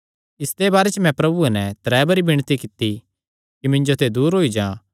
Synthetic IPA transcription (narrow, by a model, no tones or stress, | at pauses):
ɪst̪ebaːɾet͡ʃəmɛ̃pɾɐbuɛnɛ̃t̪ɾɛːbɐɾibɪɽ̃t̪ikɪt̪i | kimɪ̃ɲd͡ʒot̪ʰed̪uːɾɦoːid͡ʒãː